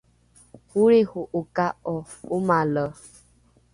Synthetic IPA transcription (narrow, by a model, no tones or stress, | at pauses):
huɾehʊʔʊkaɔ | ʊmalɔ